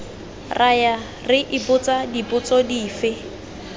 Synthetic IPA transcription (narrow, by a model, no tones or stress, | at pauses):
rʔaja | rɪʔɪpʊt͡sʼadipʊt͡sʼɔdiːfɪ